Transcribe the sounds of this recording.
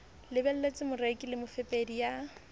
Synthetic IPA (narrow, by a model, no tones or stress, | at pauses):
lɪbɛl̩let͡sʼɪmʊrekʼɪlɪmʊfɛpʼedija